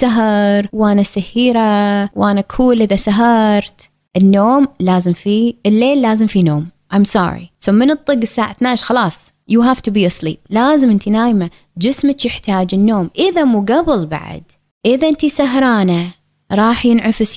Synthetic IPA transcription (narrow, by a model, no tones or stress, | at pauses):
saɦɑɾˤwʔaːnasahiːɾawʔaːnakʰuːlʔɪðasaɦɑɾˤt̪ | ʔɪnːoːmlaːzɪmfiɪlːeːlːaːzɪmfinoːmʔajmsˤɑ̰ːɾḭsoːmɪnɨt̪ˤːɨɡːɪsːaːʕaθnaːʕʃxɑlɑːsˤ | juɦaft̪ubiːʔɑsˤlḭːp̚laːzɪmʔɪnt̪inaːjma | d͡ʒɪsmɪt͡ʃjɪħt̪aːd͡ʒɪnːoːmʔɪðamuɡabɪlba̰ʕa̰d̪ | ʔɪðaʔɪnt̪isaɦɾˤɑːna | ɾˤɑːħjɪnʕɪfɪs